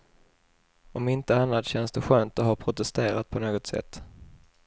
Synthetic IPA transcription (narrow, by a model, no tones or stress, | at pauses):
ɔmɪnt̪əanlat̪ɕɛnsd̪ɛɧøːnt̪ɔɦaɾpʰɾʊt̪ɛst̪eːɾat̪̚pʰɔnoːɡɔt̪sɛ̰t̪ː